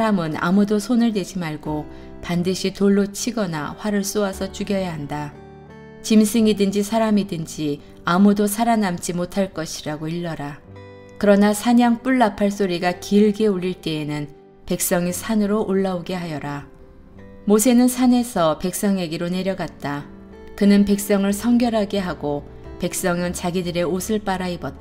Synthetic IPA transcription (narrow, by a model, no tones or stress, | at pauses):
ɾamɯna̰mudosʰonɯɭde̞d͡ʑimaɭɡo | pandɯɕʰitoɭːot͡ɕʰiɡʌna̰ɸwaɾɯɭs͈oasʰʌt͡ɕuɡjʌjaɦanda | t͡ɕimsʰɯŋidɯnd͡ʑisʰaɾamidɯnd͡ʑi | amudosʰaɾanamt͡ɕ͈imotʰaɭk͈ʌɕʰiɾaɡoiɭːʌɾa | kɯɾʌnasʰaɲaŋp͈uɭːapʰaɭs̬͈oɾiɡakiɯɭɡe̞uʎːiɭt͈e̞ːnɯn | pe̞k̚s͈ʌŋisʰanɯɾoʔoɭːaoɡe̞ɦajʌɾa | mosʰe̞nɯnsʰane̞sʰʌpe̞k̚s͈ʌŋe̞ɡiɾone̞ɾjʌɡat̚t͈a | kɯnɯnpe̞k̚s͈ʌŋɯɭsʰʌŋɡjʌɾɦaɡe̞ɦaɡo | pe̞k̚s͈ʌŋɯnt͡ɕaɡidɯɾe̞osʰɯɭp͈aɾaibʌt͈̚ː